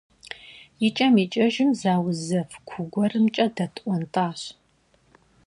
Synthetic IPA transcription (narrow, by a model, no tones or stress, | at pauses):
jɪt͡ʃʼɐmiːt͡ʃʼɐʒɪmzaːwzɐfkʷʰʊɡʷɔrɨmt͡ʃʼɐdɐtʰʼʔʷɔntʼaːɕ